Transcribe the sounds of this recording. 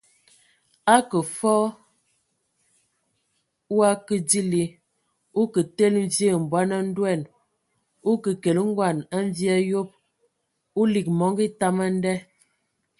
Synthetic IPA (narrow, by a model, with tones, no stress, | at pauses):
a˦kə˨fɔ˦ | wa˦kə˨di˦li˨ | u˦kə˨te˦lm̩˦ve˦˨m̩˨bwa˦na˦n̩˦dwɛ˦˨n | u˦kə˨ke˨lə˦ŋ̩˦ɡwa˦˨na˦ɱ˦vja˦jo˦p̚ | u˦li˨k̚mɔ˨˦ŋɡi˦ta˦ma˦n˦dɛ˦